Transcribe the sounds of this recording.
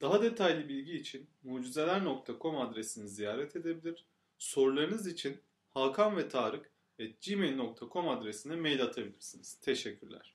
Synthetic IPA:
d̪̥aɦad̪e̞t̪ʰajlʲibilʲɟiːt͡ʃʰinmuːd͡ʒize̞lʲæɾno̞k̚t̪ʰakʰo̞mad̪ɾesinizijaːɾɛt̪ʰe̞d̪e̞bilʲiɾ̥ | so̞ɾulˠaɾɯnɯzit͡ʃʰin | hakʰanvɛt̪ʰaːɾɯk | ɛd͡ʒimelʲnok̚t̪ʰakʰo̞mad̪ɾesinɛmejlʲat̪ʰabilʲiɾsiniz̥t̪ʰe̞ʃɛcʰːyɾlʲæ̰ɾ̥

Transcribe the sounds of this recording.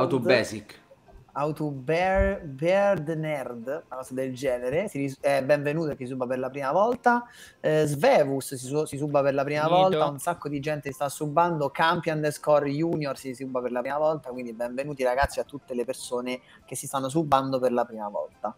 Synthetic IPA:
awt̪ubɛsikawt̪ubɛbɛrd̪nɛrd̪kɔzad̪eld͡ʒɛːneɾesiiɛbːɛɱvenuːt̪oekːesisubːaperlapɾiːmavɔlt̪a | zvɛːvussisis̬ubːaperlapɾiːmavɔlt̪aunsakːod̪id͡ʒɛnt̪est̪asubːand̪okampjand̪eskɔrjuːnjorsisubːaperlapɾimavɔlt̪akwind̪iɛbɛɱvenuːt̪iɾaɡat̪sːiat̪ːut̪ːelepersoːne | k̟esːist̪anːos̬ubːand̪operlapɾiːmavɔ̰lt̪a

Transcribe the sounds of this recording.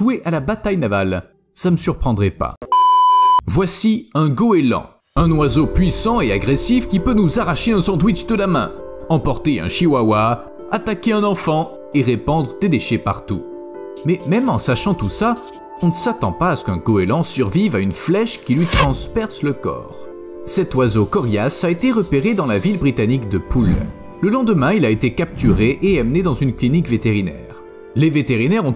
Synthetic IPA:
ʒweʔalabat̪ajnava̰l | saməsyʁpχɑ̃d̪ʁɛpa̰ | vwasiɛ̃ɡɔelɑ̰̃ | ɛ̃nwazopɥisɑ̃eaɡʁesifkʲipønuzaʁaʃeɛ̃sɑ̃d̪wit͡ʃd̪əlamɛ̰̃ɑ̃pɔʁt̪eɛ̰̃ʃiwawa | at̪akʲeɛ̃nɑ̃fɑ̃ | eʁepɑ̃d̪ʁəd̪ed̪eʃepa̰ʁt̪ṵ | mɛmɛmɑ̃saʃɑ̃t̪usa | ɔ̃nəsat̪ɑ̰̃paːsə̥kɛ̃kɔelɑ̃syʁvivaynflɛʃkʲilɥit̪χɑ̃spɛʁsləkɔ̰ːʁ | sɛt̪wazokɔʁjasaet̪eʁəpeʁed̪ɑ̃lavilbʁit̪anikd̪əpul | ləlɑ̃d̪əmɛ̃ilaet̪ekap̚t̪yʁeʔeamned̪ɑ̃zynklinikvet̪eʁinɛ̰ʁ | levet̪eʁinɛʁɔ̃

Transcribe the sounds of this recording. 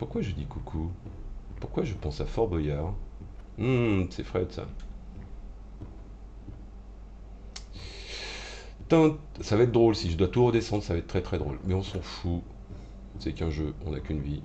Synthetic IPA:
puʁkwaʒəd̪ikukʰu | puʁkwaʒəpɑ̃safɔʁbɔjaʁm̩sɛfχɛd̪əsa̰ | t̪ɛ̃t̪savaɛt̪̚d̪ʁolsiʒəd̪wat̪uʁəd̪esɑ̃d̪ʁsavaɛt̪̚t̪χɛt̪χɛd̪ʁolmɛɔ̃sɑ̃fu | sɛkɛ̃ʒøɔ̰̃nakʲynvi

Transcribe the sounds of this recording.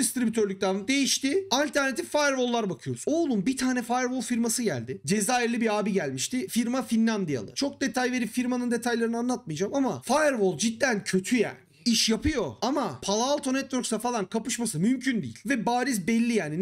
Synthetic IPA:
ist̪ɾibyt̪ʰøɾlʲyc̚t̪ad̪e̞jiʃt̪ɪalʲt̪ʰæɾne̞t̪ʰifajɛɾvo̞lˠːaɾbakʰɯjoɾuzoːlˠunbit̪ʰaːnɛfajɾvo̞lˠfiɾmasɯɟæ̰lʲd̪ɪd͡ʒe̞zaːiɾlʲibiɾaːbiɟælʲmiʃt̪ɪfiɾmafinːamd̪ija̰lˠɯ̰t͡ʃʰo̞k̚d̪e̞t̪ʰajve̞ɾipfiɾmanɯnd̪e̞t̪ʰajlˠaɾɯnɯanlˠat̪̚mɯjd͡ʒamamafajɛɾvo̞lˠd͡ʒid̪ːæncʰø̞t̪ʰyja̰ː | iʃjapʰɯjo̞amapʰalˠaːlˠt̪ʰo̞nɛt̪vøɾksafalˠankʰapɯʃmasɯmymcʰynd̪ḭːḭlʲvɛbaːɾizbɛlʲːijaːni

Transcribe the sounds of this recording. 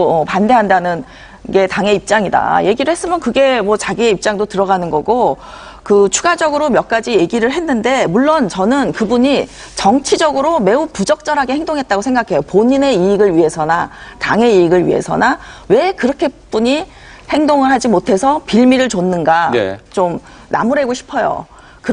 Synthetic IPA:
ʌpande̞ɦandanɯn | ɡe̞taŋe̞ip̚t͡ɕ͈aŋida̰je̞ɡiɾɯɭɦhe̞s͈ɯmjʌnkɯɡe̞mwʌt͡ɕaɡieip̚t͡ɕ͈aŋdotɯɾʌɡanɯnɡʌɡo | kɯt͡ɕʰu̥ɡad͡ʑʌɡɯɾomjʌk͈̚ad͡ʑije̞ɡiɾɯɭɦe̞nːɯnde̞muɭːont͡ɕʌnɯnkɯbuɲi | t͡ɕʌŋt͡ɕʰid͡ʑʌɡɯɾome̞upud͡ʑʌk̚t͡ɕ͈ʌɾɦaɡe̞heŋdoŋɦe̞t̚t͈aɡosʰeŋɡakʰe̞jopoɲine̞iːɡɯɭɥiɦe̞sʰʌnataŋe̞iiɡɯɭɥḭɦe̞̰sʰʌ̰nawe̞kɯɾʌkʰe̞p͈uɲi | he̞ŋdoŋɯɭɦad͡ʑimotʰe̞sʰʌpiʎmiɾɯɭt͡ɕonːɯnɡa̰t͡ɕom | na̰muɾe̞ɡoɕʰi̥pʰʌjo̰ | kɯ

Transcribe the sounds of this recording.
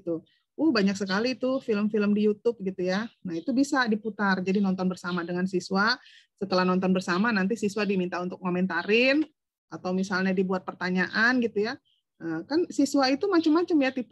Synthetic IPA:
t̪u | ʔʊhbaɲak̚səkalit̪ʊfiləmfiləmdijut̪ʊp̚ɡit̪ujanahit̪ubisadiput̪ard͡ʒadinɔnt̪ɔnbərsamadəŋansiswa | sət̪əlahnɔnt̪ɔnbərsamanant̪isiswadimint̪aunt̪ʊk̚momɛnt̪aɾɪn | at̪awmisalɲadibuat̪̚pərt̪aɲaʔanɡit̪uja | ʔəːkansisuait̪umat͡ʃəmːat͡ʃəmjat̪ip

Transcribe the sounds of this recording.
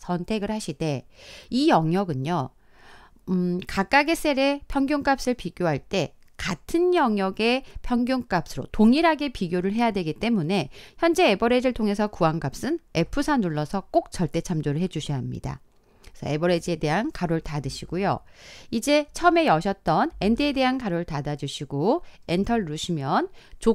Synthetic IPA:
sʰʌntʰe̞ɡɯɭhaɕʰide̞ijʌŋjʌɡɯɲo | kak͈aɡes͈e̞ɾe̞pʰjʌŋɡjoŋk͈ap̚s͈ɯɭpiɡʲjoɦaɭt͈e̞katʰɯnjʌŋjʌɡe̞pʰjʌŋɡjoŋk͈ap̚s͈ɯɾo̰toŋiɾɦaɡe̞piɡjoɾɯɭɦe̞jadwe̞ɡit͈e̞mune̞çjʌnd͡ʑe̞ebʌɾe̞d͡ʑɯɭtʰoŋe̞sʰʌkuaŋɡ͈ap̚s͈ɯne̞pʰɯsʰanuɭːʌsʰʌk͈ok̚t͡ɕʌɭt͈e̞t͡ɕʰamd͡ʑoɾɯɭɦe̞d͡ʑuɕʰʌɦamɲḭda̰ | sʰʌ̰e̞bʌɾe̞d͡ʑie̞de̞ɦankaɾoɭtadɯɕʰiɡ̥ojo̰id͡ʑe̞t͡ɕʰʌme̞jʌɕʰʌt̚t͈ʌne̞ndiede̞ɦankaɾoɭtadad͡ʑuɕʰiɡoentʰʌɭːuɕʰimjʌnt͡ɕo

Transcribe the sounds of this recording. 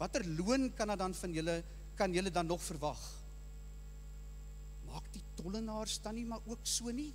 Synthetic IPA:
vɐtərluənkɐnɐːdɐnfɐnjələ | kɐnjələdɐnːɔχfərvɐχ | mɑːkditɔlənɑːrsdɐnimɐrʔuəksuəni

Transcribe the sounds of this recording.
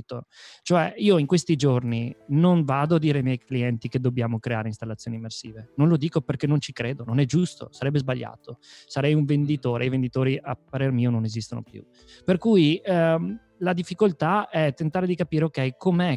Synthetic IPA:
t̪ot͡ʃoɛiːoiŋkwest̪id͡ʒorninonvaːd̪oad̪ːiːɾeajmjɛjkliɛnt̪iked̪objaːmokɾeaːɾeinst̪alːat̪sːjoːnimːersḭːvenonlod̪iːkoperk̟enːont͡ʃikɾeːd̪ononɛd͡ʒust̪o̰saɾɛbːezbaʎːa̰ːt̪osaɾɛjuɱvend̪it̪oːɾḛajvend̪it̪oːɾiʔa̰pːaɾermiːononezist̪ono̰pjṵ | perkuːj | lad̪ifːikolt̪aɛt̪ːent̪aːɾed̪ikapiːɾeokɛjkʰomeɛ

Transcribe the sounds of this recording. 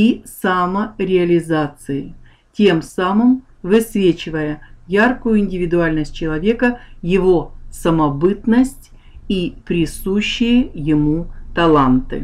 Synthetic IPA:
isaməɾʲɪɐlʲɪzat̪sɨɪ | tʲe̞msamɨm | vɨsvʲet͡ɕɪvəjəjarkʊjʊɪnʲdʲɪvʲɪd̪ʊalʲnəsʲt̚ʲt͡ɕɪlˠɐvʲe̞kəjɪvo̞səmɐbɨt̪nəsʲtʲ | ipɾʲɪsuɕːɪjəjɪmut̪ɐlˠant̪ɨ̰

